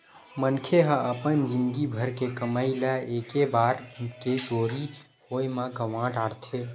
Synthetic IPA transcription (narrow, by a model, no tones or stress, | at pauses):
mənkʰeɦãəpənd͡ʒinɡibʱəɾkekəmaɪlaekebaɾket͡ʃoɾi | hojmãɡəʋãʈaɽt̪ʰe